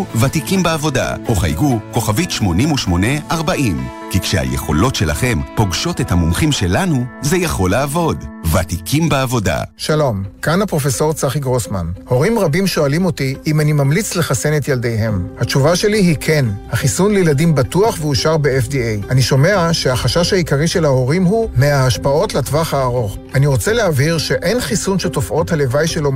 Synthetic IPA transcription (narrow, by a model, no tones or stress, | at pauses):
vatikimbeavo̞da̰ʔoχa̰jɡuko̞χavitʃmo̞nimuʃmo̞neʔaʁbaʔim | kikʃḛha̰jḛχo̞̰lo̞tʃe̞la̰χe̞mpo̞ɡʃo̞tethamumχimʃelanuzejaχo̞laːvo̞dvatikʰimbeavo̞da̰ʃalo̞mkanhapʁo̞fe̞so̞ʁt͡saχiɡʁosmanho̞ʁimʁabimʃo̞alimo̞tiimanimamlit͡sle̞χasenet̪jalde̞jɦe̞mhat͡ʃuvaʃe̞liɦikʰe̞nhaχisunlejeladimbatuaχveuʃaʁbeefdiejaniʃo̞me̞aʃeaχaʃaʃhaikaʁiʃe̞lhaho̞ʁimɦumeaaʃpao̞tlatvaχhaːʁo̞χ | aniʁo̞t͡seleaviʁʃe̞ʔe̞nχisunʃeto̞fʔo̞thale̞vajʃe̞lo̞